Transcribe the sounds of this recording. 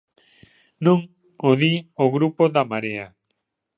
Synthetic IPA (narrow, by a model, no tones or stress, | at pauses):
nũŋ | oðioɣɾupoðamaɾea